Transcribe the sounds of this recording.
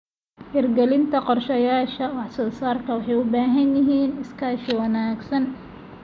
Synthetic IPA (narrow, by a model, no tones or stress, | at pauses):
hɪrɡɛlɪnt̪ʰɐqɔrʃɐjaːʃɐɑsɔːsaːrkʰɐwɑħɑjʊbaːɦɐnjɪɦiːnɪskʰaːʃɪwɐnaːɡsɐn